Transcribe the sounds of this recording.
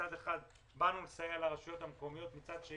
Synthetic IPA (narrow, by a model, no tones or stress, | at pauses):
ad̪e̞χad̪ | banulsajelaʁaʃujo̞t̪hamko̞mijo̞t̪mit͡sad̪ʃe